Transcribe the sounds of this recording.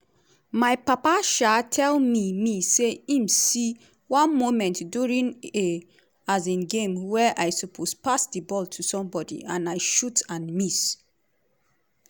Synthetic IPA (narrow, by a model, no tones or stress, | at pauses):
maɪpapaʃatʰɛlmimiseĩmsi | wɔ̃nmomɛ̃ntduɹĩŋe | azẽnɡẽmwɛʔajsɔpʰospasdibɔlˠtʰusɔ̃mbɔdḭãnaɪʃutãnmis